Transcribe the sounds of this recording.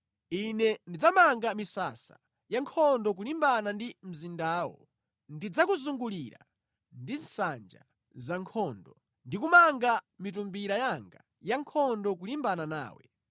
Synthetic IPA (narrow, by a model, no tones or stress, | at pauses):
inɛndid͡zamaŋɡamisa̰sa̰ | jaŋkʰɔndɔk̬ulimbanandim̩zindaːwɔ̰ | ndid͡zakuzuŋɡuliɾa̰ | ndinsand͡ʒa̰ | zaŋkʰɔndɔ | ndikumaŋɡamitumbiɾajaŋɡa | jaŋkʰɔndɔkulimbanana̰ːwɛ̰